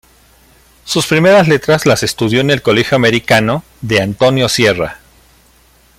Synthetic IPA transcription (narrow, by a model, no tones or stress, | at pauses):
suspɾime̞ɾazle̞t̪ɾazlase̞st̪uðjo̞ene̞lko̞le̞xjoame̞ɾikano | ðe̞ant̪o̞njo̞sje̞ra̰